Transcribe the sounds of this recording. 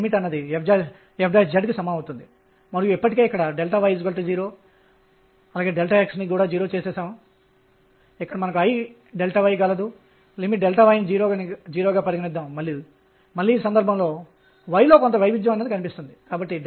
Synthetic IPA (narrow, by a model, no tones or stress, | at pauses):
miʈɐnːɐd̪iɛfd͡ʒaː | ɛfd͡ʒaːsd͡ʒɐɖkisɐmaːut̪und̪i | mɐɾujuipːɐʈike̞ːikːɐɽɐɖelʈaːʋɐjsɡɐlʈ̪ɐd͡ʒiːɾo̞ː | ɐlaːɡe̞ːɖelʈaːeksnikuːɽaːd͡ʒiːɾo̞ːt͡ʃɛːsɛːsaːm | ikːɐɽɐmɐnɐkuɐj | ɖelʈaːʋɐjɡɐlɐd̪u | limiʈ̚ɖɛlʈaːʋɐːjnid͡ʒiːɾoːɡanid͡ʒiːɾoːɡaːpɐɾiɡinid̪ːaːmmɐɭːiu | mɐlːiːsɐnd̪ɐɾbʱɐmlo̞ː | ʋɐjlo̞ːkont̪ɐʋɐjʋid̪jɐmɐnːɐd̪ikɐnipist̪und̪ikaːbɐʈːi